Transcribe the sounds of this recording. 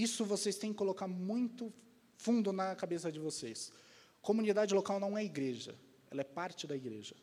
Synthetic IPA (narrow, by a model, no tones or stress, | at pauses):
isʊvosest̪ẽj̃kɪkolokaɾmũj̃t̪ʊ | fũnd̪ʊnɐkabesɐd͡ʒɪvoses | komũnid̪ad͡ʒɪlokawnɐ̃w̃ɛiɡɾeʒɐ̰ | ɛ̰lɐɛpaɾt͡ʃɪd̪ɐiɡɾḛʒɐ